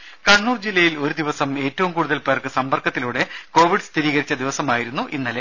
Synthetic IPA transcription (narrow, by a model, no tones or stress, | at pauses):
kɐɳːuːrd͡ʑilːɐjilo̞ɾud̪iʋɐsɐme̞ːtːɐʋumkuːɽuðɐlpeːrkɨsɐmbɐrkɐt̪ːiluːɽe̞ko̞ːʋiɖst̪iɾiːɣɐɾit͡ɕːɐd̪iʋɐsɐmaːjiɾunːuʔinːɐle